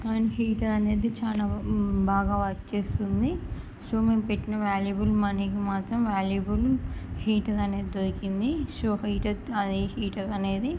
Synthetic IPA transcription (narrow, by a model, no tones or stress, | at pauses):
kaːniɦiːʈɐɐneːd̪it͡ʃaːlaːbʱaːɡaːʋɐkt͡ʃeːst̪und̪i | soːmeːmpeʈːinɐʋaːljɐbulmɐnekimaːt̪ɾɐmʋaːljɐbulhiːʈɐɾɐneːd̪id̪oɾikind̪isoːɦiːʈɐt̪ɐd̪ehiːʈɐɾɐne̞ːd̪i